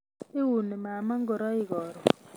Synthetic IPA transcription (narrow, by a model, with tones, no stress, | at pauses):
i˦wu˨nɛ˨ma˨ma˦ŋɡɔ˨ɾa˦i˦ɡɔː˨ɾɔ˨